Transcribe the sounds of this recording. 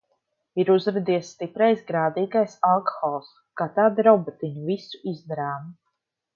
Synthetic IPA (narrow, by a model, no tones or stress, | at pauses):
iɾuzɾɛd̪iɛsːt̪ipɾajsɡɾaːd̪iːɡajsalˠkɔ̥xɔlˠs | kaːt̪aːd̪ɾɔbɔt̪iɲuvisu̥izd̪aɾaːm